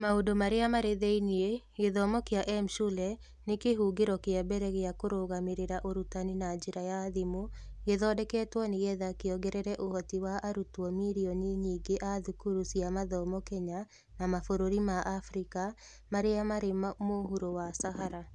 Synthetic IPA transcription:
maodomaɾeamaɾeðɛinieɡeðɔmɔkeaʔɛmʃulɛ | nekeɦuɡeɾɔkeabɛɾɛɣeakoɾoɣameɾeɾaʔoɾutaninad͡ʒeɾajaðimoɡeðɔdɛkɛːtwɔneɣɛðakeɔɡɛɾɛɾɛʔohɔtiwaʔaɾutwɔmiɾiɔniɲiɡeʔaðukuɾusiamaðɔmɔkɛɲa | namafoɾoɾimaʔafɾika | maɾeamaɾemmoɦuɾowasaɦaɾa

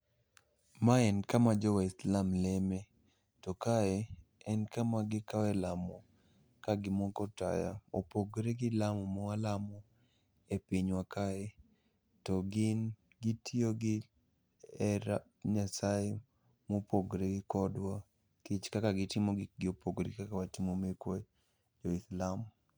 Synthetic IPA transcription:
maɛnkamad͡ʒɔwaɪslamlɛme | tɔkaɛɛnkamaɡɪkawɛlamɔ | kaɡɪmɔkɔta̰ja̰opoɡɾeɡɪlamɔmɔalamɔ | epiɲwakaɛ | tɔɡɪn | ɡitʰioɡɪ | ɛɾa | ɲasae | mopoɡɾeɡɪkɔdwa | kit͡ʃkakaɡɪtɪmoɡɡɪopoɡɾikakawatimomekwɔ | d͡ʒɔɪslam

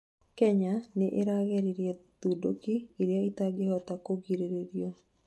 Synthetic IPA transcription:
kɛɲaneʔeɾaɣɛɾiɾjɛt̪udokiːɾjait̪aɡehɔt̪akoɡiɾeɾeɾjo

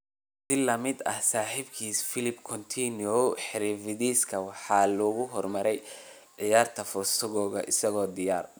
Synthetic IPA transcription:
sɪlɐmɪd̪ɐ̰hsaːħibkʰiːsfɪlɪbkʰɔnt̪ʰinɔwħɪɾiːfɪðiːskʰɐwɑħɑːlɔːɣʊɦɔrmɐɾɛj | ɖɪjaːrt̪ʰɐfʊrsʊɣɔːɣɐ̰ʔɪsɐɣɔːd̪ɪjaːr

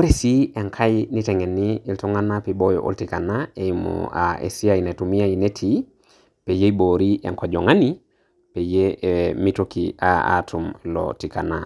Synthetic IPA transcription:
oɾesieŋkʰajnitɛŋɛniltɔŋanapebojo̰ʔo̰ltikanaemɔ̰a̰ḛsiajinetumiajinetʰi | pejeboɾiʔḛŋkɔd͡ʒɔŋani | pejemitokiaa̰tʰumlɔ̰tikana̰

